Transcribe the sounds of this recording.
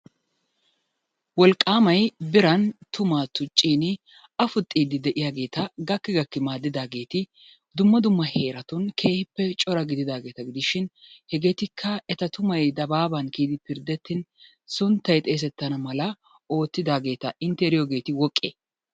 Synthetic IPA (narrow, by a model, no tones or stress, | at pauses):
wɔlkʼːaːmɐjbɪɾɐnt̪ʊmaːt̪ʊt͡ʃʼːiːnɪ | ɐfʊt̪ʼːiːd̪ɪd̪ɛʔɪjaːɡe̞ːt̪ɐɡɐkːɪɡɐkːɪmaːd̪ːɪd̪aːɡe̞ːt̪ɪ | d̪ʊmːɐd̪ʊmːɐhe̞ːɾɐt̪ʊnkʰe̞ːhɪpːɛt͡ʃʼɔɾɐɡɪd̪ɪd̪aːɡeːt̪ɐɡɪd̪ɪʃɪnhɛɡe̞ːt̪ɪkʰːɐɛt̪ɐt̪ʊmɐjd̪ɐbaːbɐnkiːd̪ɪpɪɾd̪ɛt̪ːɪn | sʊnt̪ːɐjt̪ʼe̞ːs̬ɛt̪ːɐnɐmɐlɐ | o̞ːt̪ːɪd̪aːɡe̞ːt̪ɐɪnt̪ɛɾɪjɔɡe̞ːt̪ɪwɔkʼːḛː